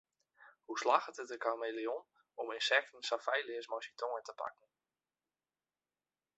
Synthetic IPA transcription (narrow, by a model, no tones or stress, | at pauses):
huslaxətətəkarmejlion | ɔmɪnsɛk̚tn̩safɛjlɪəsmɔjsitʰoŋətəpa̰kn̩